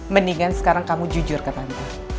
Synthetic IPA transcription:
məniŋansə̥kaɾaŋkamud͡ʒud͡ʒʊrkat̪ant̪a

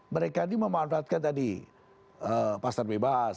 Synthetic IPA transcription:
məɾekaniməmanfaːt̪̚kant̪adi | əpasarbebas

